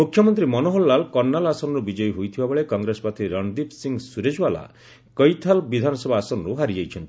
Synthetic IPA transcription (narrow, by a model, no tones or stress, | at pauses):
mukʰjɔmɔnt̪ɾimɔnoɦolːalkɔnːalasɔnɔɾubid͡ʒɔjɔɦujt̪ʰibabɔɭekɔŋɡɾesɔ̥pat̪ʰiɾɔnd̪ipsiŋɡsuɾed͡ʒwala̰ | kɔjt̪ʰalbid̪ʱanɔsɔbʱaːsɔnɔɾuɦaɾid͡ʒejt͡ʃʰɔnt̪i